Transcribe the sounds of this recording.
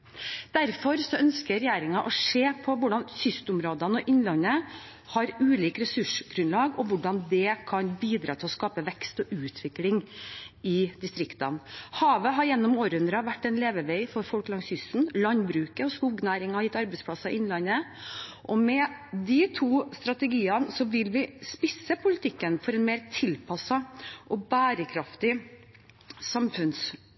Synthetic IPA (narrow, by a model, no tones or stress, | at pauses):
d̪̥æɾfɔɾsɔœnskəɾɛjæːɾɪŋɑʔɔʂeːpʰɔʋʊɖɑnsʏst̪ʊmɾoːd̪ənəɔʔɪnlɑnə | hɑɾʉːliːkɾɛsʉʂɡ̥ɾʉnlɑːɡɔʋʊɖɑnd̪ɛkʰɑnbiːd̪ɾɑːt̪ʰɪlɔskɑːpəʋɛkst̪ɔʔʉːt̪ʰʋɪklɪŋ | ɪd̪ɪst̪ɾɪkt̪ɑnhɑːʋəɦɑɾjɛnːɔmoːɾəhʉnd̪ɾɑʋæʈːɛɪnleːʋəʋeɪfɔɾfɔlklɑŋsjʏsn̩lɑnbɾʉːkəɔskuːɡnæːɾɪŋɑhɑjɪt̪ːɑɾbɛɪspʰlɑsːɑɪʔɪnlɑnːəʔɔmɛd̪ɪt̪ʰuːst̪ɾɑt̪əɡiːɑnsɔʋɪlʋɪspɪsːəpʰʊlɪt̪ʰɪkːənfɔɾɛnmeːɾt̪ʰɪlpʰɑsːɑʔɔbæːɾəkʰɾɑft̪ɪ | sɑmfʉns